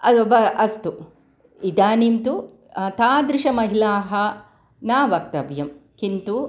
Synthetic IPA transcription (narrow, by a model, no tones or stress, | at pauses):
ɐd̪obɐɐst̪u | id̪aːnimt̪u | t̪aːd̪ɾiʃɐmɐɦilaːɦɐ | naːʋɐk̚t̪ɐbjɐmkint̪u